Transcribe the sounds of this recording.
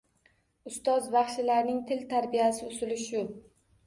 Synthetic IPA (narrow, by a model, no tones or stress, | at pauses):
ʊst̪ɒzvɑχʃɪlaɾnɪŋt̪ʰɪlt̪ʰaɾbijasɪʊsɪlɪʃʊ